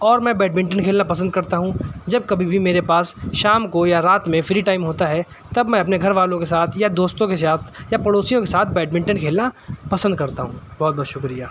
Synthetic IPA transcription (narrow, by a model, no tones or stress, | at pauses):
ɔːɾmɛ̃bɛːɖ̚mɪ̃ɳʈənkʰeːlnapɐsə̃nd̪̚kɐɾt̪aɦũd͡ʒɐb̚kɐbʱibʱimeːɾepaːsʃaːmkojaɾaːt̪mẽfɪɾiʈaːɪmɦoːt̪aɦɛ | t̪ɐbmɛ̃ɐpneɡʱɐɾʋaːlõkesaːt̪ʰjad̪oːst̪õkes̬aːt̪ʰjapɐɽoːsijõkesaːt̪ʰbɛːɖmɪ̃ɳʈənkʰeːlnapɐsə̃nd̪̚kɐɾt̪aɦũːbɔːt̪̚bɔːt̪ʃʊkɾijaː